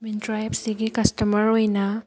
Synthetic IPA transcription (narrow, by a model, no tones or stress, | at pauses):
mintɾajbsiɡikɐstɐmɐɾojnɐ